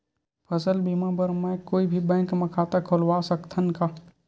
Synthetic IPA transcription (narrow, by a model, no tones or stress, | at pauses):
pʰəsəlbimãbəɾmɛ̃koːibʱibɛ̃ːŋkməkʰaːt̪akʰolwaːsəkt̪ʰənka